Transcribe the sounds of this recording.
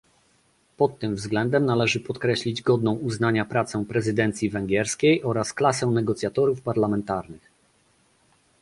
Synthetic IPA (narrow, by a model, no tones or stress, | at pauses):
pɔt̪ːɘmvzɡlɛnd̪ɛmnalɛʐɘpɔt̪kɾɛɕlʲid͡ʑɡɔd̪nɔ̃w̃uznaɲapɾat̪sɛw̃pɾɛzɘd̪ɛnt̪sʲjivɛŋɡʲɛɾskʲejʔɔɾasklasɛw̃nɛɡɔt̪sʲjat̪ɔɾufpaɾlamɛnt̪aɾnɘx